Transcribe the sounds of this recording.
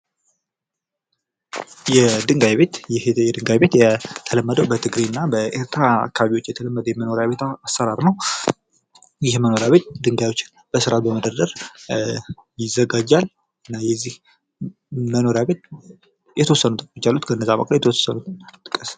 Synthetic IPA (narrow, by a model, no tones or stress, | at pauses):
jɛd̪ɨŋɡajβe̞t̪jɛhjɛd̪ɨŋɡajbet̪jɛt̪ʰələmːəd̪əwbət̪ʰɨɡɾenːabəeɾt̪ʰɾaa̰kʰːaβaβiwot͡ʃːjɛt̪ʰələmːəd̪əjɛməno̞ɾjaβe̞t̪asːəɾaɾnəw | jɪhməno̞ɾjaβe̞t̪̚d̪ɨŋɡajwo̞t͡ʃːɪn | b̥əsɨɾat̪̚bəməd̪əd̪əɾ | jɪzːəɡad͡ʒal | ɨnːajɛzːih | məno̞ɾjaβe̞t̪̚ | jɛt̪ʰəwɔsːənut̪ʼɨkʼt͡ʃːalːut̪kʰəɨnːəzːawə̰kʼlajɛt̪ʰəwosːənut̪ɨnt̪ʼɨkʼəs